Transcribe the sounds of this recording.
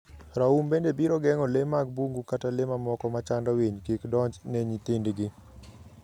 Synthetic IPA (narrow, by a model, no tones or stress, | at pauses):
ɾaumbendebiɾɔɡɛŋɔlemaɡ̚buŋɡukatalɪmamɔkɔmat͡ʃandaweɲkekdɔɲd͡ʒnɛɲit̪indɡɪ